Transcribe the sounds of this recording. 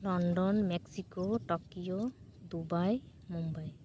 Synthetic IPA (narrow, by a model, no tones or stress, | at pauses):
lɔɳɖɔnmeksikoʈɔkijod̪ubaj | mumbaj